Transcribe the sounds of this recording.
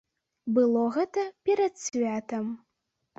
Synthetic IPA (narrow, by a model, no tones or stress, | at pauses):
bɨlˠɔɣɛt̪ɐpʲɛɾɐt̪sʲvʲat̪ɐm